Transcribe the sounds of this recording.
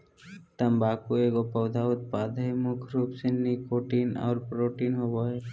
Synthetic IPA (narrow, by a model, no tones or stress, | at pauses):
t̪əmbaːkueːɡopəʊd̪ʱaʊt̪̚paːd̪əemʊkʰɾupsenːikoːʈiːnɔ̰ːɾpɾoːʈiːnɦoːboːeː